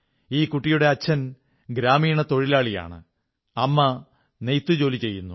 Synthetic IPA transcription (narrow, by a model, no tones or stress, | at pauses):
iːkuʈːijuɽe̞ɐt͡ɕʰːɐn | ɡɾaːmiːɳɐt̪o̞ɻilaːɭija̰ːɳɨ̰ | ɐmːɐ | nejt̪ːɨd͡ʑo̞ːlit͡ɕe̞jːunːu